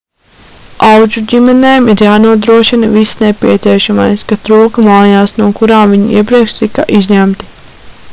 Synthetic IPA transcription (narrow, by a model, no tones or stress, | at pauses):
awd͡ʒuɟimɛneːmiɾjaːnuɔd̪ɾuɔʃinɐvisnepʲiɛt̪siɛʃama̰jskat̪ɾuːkɐmaːjaːsnuɔkuɾaːmviɲiḭɛp̬ɾiɛkʃt̪ikaʔizʲɲæmt̪i̥